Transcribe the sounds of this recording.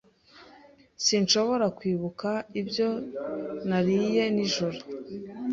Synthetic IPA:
sinʃo̞βo̞ɾakwiːβukaibjo̞ | naɾije̞niʒoɾo

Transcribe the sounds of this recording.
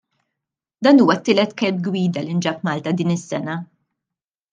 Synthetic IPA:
d̪ɐːnuːwɐt̪ːɪːlɛt̪kɛlb̚ɡwiːd̪ɐlind͡ʒɐpmɐːlt̪ɐd̪iːnɪsːɛnɐ

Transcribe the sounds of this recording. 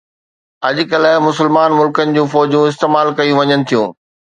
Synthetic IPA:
ɐʄʊkɐləɦmʊsəlmaːnmʊlkənɪ̆d͡ʑũːfɔːd͡ʑjũɪst̪eːmaːlkɐjũʋɐɲənɪ̆t̪ʰijũː

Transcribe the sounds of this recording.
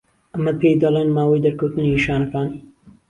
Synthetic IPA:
ɐmːɐd̪̚pʰeːjd̪ɐleːnmaːwijd̪ɐɾkʰoːt̪ɨniʃaːnɐfɾaːniː

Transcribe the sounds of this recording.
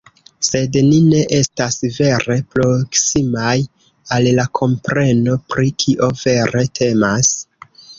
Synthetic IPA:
se̞dnine̞ʔe̞stasve̞ɾe̞pɾo̞ksimaj | allakʰo̞mpɾe̞no̞pɾikʰiʔo̞ve̞ɾe̞tʰe̞mas

